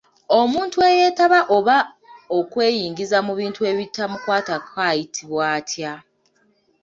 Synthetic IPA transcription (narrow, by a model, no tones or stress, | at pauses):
o̞muːntue̞je̞ːtaβaʔo̞βa | o̞kwe̞ːjiːŋɡizamuβiːntue̞βitːamukwaːtakʰajitʰiβwaːtʰja